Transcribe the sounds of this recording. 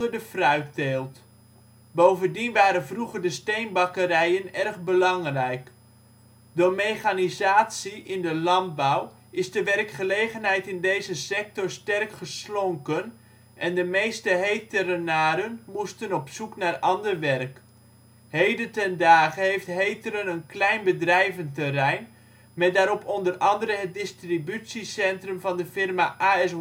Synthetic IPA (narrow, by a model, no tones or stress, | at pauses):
əɹdəfrœɥk̚deːlˠt | bowvəndinʋaːɾənvruχəɹdəstejnbɑkəɾɛjənɛrχbəlɑŋrɛjk | dʊːɹmejχanizaːtsiʔɪndəlɑn̚baw | ɪzdəʋɛrkχəlejχənɦɛjtɪndejzəsɛk̚tɔɹstɛrkχəslɔŋkən | ʔɛndəmejstəɦejtərənaːɾənmustənɔpsuknaːrʔɑndərʋɛrk | hejdətɛndaːχəɦejftɦejtəɾənənklɛjnbədrɛjvəntərɛjn | mɛt̚daːɾɔpʰɔndərɑndərəɦət̚dɪstribytsisɛntrəmvɑndəfɪrmaʔaːɛs